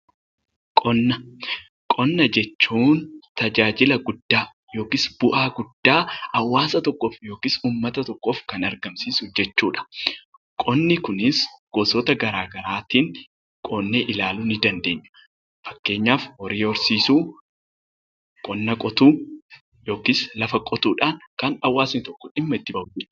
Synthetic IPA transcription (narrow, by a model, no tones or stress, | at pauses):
kʼɔnːɐ | kʼɔnːɐd͡ʒɛt͡ʃːuːnt̪ɐd͡ʒaːd͡ʒɪlɐɡʊd̪ːaː | jo̞ːkɪsbʊʔaːɡʊd̪ːaːɐwːaːsɐt̪ɔkːofjo̞ːkɪsuːmːɐt̪ɐt̪ɔkːoːfkɐnɐɾɡɐmsiːsʊd͡ʒɛt͡ʃːuːᶑɐ̥ | kʼɔnːɪkʊnɪsɡ̥oːsɔt̪ɐɡɐɾaːɡɐɾaːt̪iːŋ | kʼoːnːeːʔɪlaːlunɪd̪ɐnd̪e̞ːɲːɐ̥ | fɐ̥kːe̞ːɲːaːfwɔɾiːɔɾsiːsuː | kʼɔnːɐkʼɔt̪uː | jo̞ːkɪslɐfɐkʼɔt̪uːᶑaːnkɐnɐwːaːsnɪt̪ɔkːɔᶑɪmːɐɪt̪ːɪbɐud͡ʒɛt͡ʃː